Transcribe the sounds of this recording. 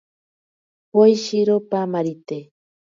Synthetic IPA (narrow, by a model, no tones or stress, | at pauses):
pojʃiɾopamaɾit̪e